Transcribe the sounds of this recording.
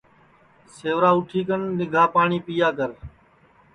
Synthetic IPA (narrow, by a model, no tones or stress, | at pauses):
seːʋɾaːʊʈʰiːkənnɪɡʱaːpaːɳiːpijaːk̬əɾ